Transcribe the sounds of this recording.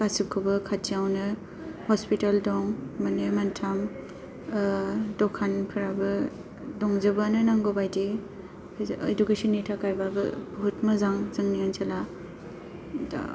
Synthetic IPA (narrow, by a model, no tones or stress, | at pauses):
kasip̚kʰɔbɯkʰatijawnɯ | hɔspitaldɔŋmanemantʰam | dɔkʰanpʰɯɾabɯ | dɔŋzɐbanɯnaŋɡobajdi | edukesɔnːitʰakajbabɯ̰buɦutmɐzaŋzɯŋniaŋt͡ʃʰala